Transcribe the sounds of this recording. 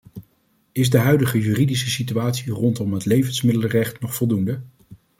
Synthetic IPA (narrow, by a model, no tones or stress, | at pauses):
ɪzdəɦœɥdəχəjyːridisəsityaːtsirɔntɔmɦətlejvənsmɪdələrɛχtnɔχfɔlˠdundə